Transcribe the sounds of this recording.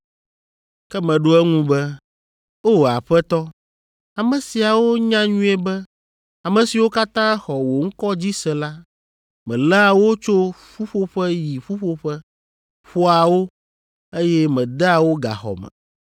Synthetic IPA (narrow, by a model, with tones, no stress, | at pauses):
kɛ˦mɛ̃˨ɖo˦ɛ˦ŋũ˦bɛ˦ | o˦˨a̰˨ɸɛ˦t̪ɔ˦ | a˨mɛ̃˨si˨a˨wo˦ɲã˦ɲũ˦ɛ˦bɛ˦ | a˨mɛ̃˨si˨wo˦ka˦t̪ã˦xɔ˨wo˨ŋ̩˦kɔ˦d͡ʑi˦sɛ̃˨la˦ | mɛ̰̃˨lɛ˦a˨wo˦t͡ʃo˦ɸu˦ɸo˦ɸɛ˦ji˨ɸu˦ɸo˦ɸɛ˦ | ɸo˦a˨wo˦ | e˦jɛ˦mɛ̃˨d̪ɛ˦a˨wo˦ɡa̰˨xɔ̰˨mɛ̰̃˨